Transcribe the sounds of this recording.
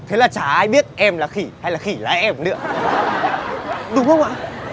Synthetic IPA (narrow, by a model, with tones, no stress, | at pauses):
t̪ʰe˨˦laː˨˩t͡ɕaː˧˩ʔaː˧jɓi˦˥ət̚ʔɛ˧mlaː˨˩xi˧˩ha˧jlaː˨˩xi˧˩la̰ː˨˦jʔɛ˧mnɨ̰˧˥ə | ɗʊ˨˦xə˧wŋ͡mʔaː˧˨